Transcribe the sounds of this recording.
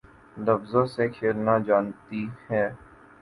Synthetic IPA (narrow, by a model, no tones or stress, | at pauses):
lɐfzasekʰeːɾnad͡ʒaːnt̪ihɛː